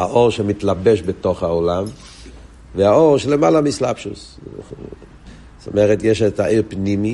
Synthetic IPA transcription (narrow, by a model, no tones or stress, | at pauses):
a̰ʔo̞ʁʃemitlabeʃbeto̞χhaolam | veaoʁʃelemalamislabʃus | t̪o̰meʁetjeʃetaʔiʁpnimi